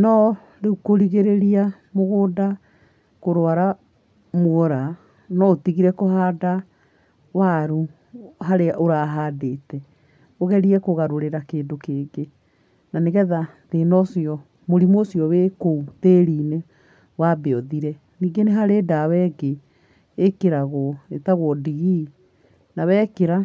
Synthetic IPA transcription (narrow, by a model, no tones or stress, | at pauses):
nɔ | ɾeukoɾiɣeɾeɾia | moɣoːda | koɾoaɾa | mwɔɾa | nɔotiɣiɾɛkoɦaːda | waɾu | ɦaɾeʔoɾaːɦaːdeːtɛ | oɣɛɾiɛkoɣaɾoɾeɾakeːndokeːɡe | naneɣɛðateːnɔsjɔ | moɾimosijɔβeːkouteːɾiːne | wabeɔðiɾɛ | niːɡeneɦaɾedawɛɡeː | keɾaɣɔetaɣwɔdiɣi | nawɛkeɾa